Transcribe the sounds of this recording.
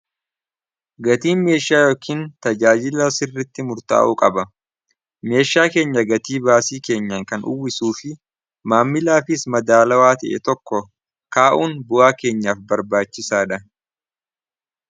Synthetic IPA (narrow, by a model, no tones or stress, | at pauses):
ɡɐt̪iːnme̞ːʃaːjoːkʰiːnt̪ɐd͡ʒaːd͡ʒɪlɐsɪrːɪt̪ːɪmʊɾt̪a̰ːʔuːkʼɐbɐ | me̞ːʃːaːke̞ːɲːɐɡɐt̪iːbaːsiːke̞ːɲːɐŋkɐnʔʊ̰wːɪsuːfɪ | maːmːɪlaːfɪsmɐd̪aːlɐwaːt̪ɐ̰ʔɛ̰t̪ɔkːɔ | kaːʔuːnbʊʔaːke̞ːɲːaːfbɐɾbaːt͡ʃːɪsaːᶑɐ